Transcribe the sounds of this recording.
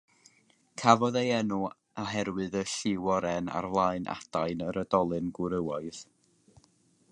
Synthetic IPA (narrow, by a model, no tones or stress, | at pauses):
kʰavɔðejɛnu | aɦɛɾwɨðəɬɪwɔɾɛna̰rvlˠaɨnʔa̰d̥ajnəɾədɔlˠɨnɡɪɾəwaɨð̥